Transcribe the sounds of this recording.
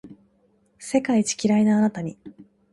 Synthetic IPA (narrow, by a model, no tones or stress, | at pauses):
se̞kait͡ɕi̥kʲiɾainaːnat̪aɲ̟i